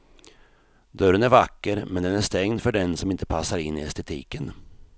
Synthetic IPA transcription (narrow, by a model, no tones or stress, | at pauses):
d̪œɾənæɾvakːəɾmɛnd̪ɛnæʂt̪ɛŋd̪fœɖɛnsɔmɪnt̪ə̥pʰasːaɾɪnːɪɛst̪ɛt̪ʰḭːkən